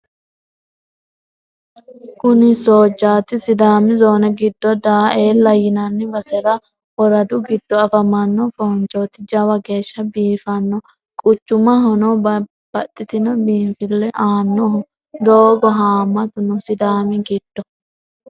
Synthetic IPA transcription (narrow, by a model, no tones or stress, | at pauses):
kʊnɪsoːd͡ʒːaːt̪ɪsɪd̪aːmɪzo̞ːnɛɡɪd̪ːɔd̪aːeːlːɐjɪnɐnːɪbɐsɛɾɐ | wɔɾɐd̪ʊɡɪd̪̥ːɔɐfɐmɐnːɔfɔnt͡ʃːot̪ːɪd͡ʒɐwɐɡe̞ːʃːɐbiːfɐnːɔ | kʼʊt͡ʃːʊmɐɦɔnɔb | b̥ɐt̪ʼːɪt̪ɪnɔbiːnfɪlːɛʔaːnːɔhɔ | d̪oːɡɔɦaːmːɐt̪ʊnɔsɪd̪aːmɪɡɪd̪̥ːɔ